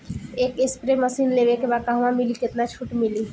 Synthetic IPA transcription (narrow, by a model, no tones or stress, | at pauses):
ekespɾeməsinleβekebakaɦəmãmiliket̪nat͡ʃʰuʈmili